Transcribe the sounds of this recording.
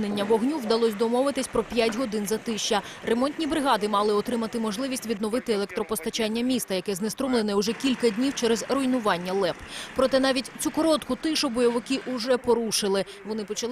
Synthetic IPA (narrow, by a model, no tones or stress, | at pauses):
nenʲːɐʋɔɦnʲuwd̪ɐlˠɔsʲd̪ɔmɔʋɪt̪ɪsʲpɾɔpʲjatʲɦɔd̪ɪnzɐt̪ɪʃt͡ʃɐ | remɔnʲt̪ʲnʲibɾɪɦɑd̪ɪmɑlˠɪɔt̪ɾɪmɐt̪ɪmɔʒlˠɪʋʲisʲtʲʋʲid̪nɔʋɪt̪ɪelˠɛk̚t̪ɾɔpɔst̪ɐt͡ʃɑnʲːɐmʲist̪ɐjɐkɛznest̪ɾɔmlˠenɛʊʒɛkʲilʲkɐdʲnʲiwt͡ʃɛɾɛzɾɔjnʊʋɑnʲːɐlˠɛppɾɔt̪ɛnɑʋʲitʲt͡sʲukɔɾɔt̪kʊt̪ɪʃʊbɔjɔʋɪkɪʔʊʒɛpɔɾuʃɪlˠɪ | ʋɔnɪpɔt͡ʃɐlˠ